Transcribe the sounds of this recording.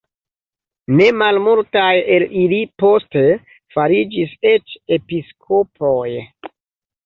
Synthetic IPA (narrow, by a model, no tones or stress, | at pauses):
ne̞malmultaje̞lilipo̞ste̞ | faɾid͡ʒise̞t͡ʃe̞piskʰo̞pʰoj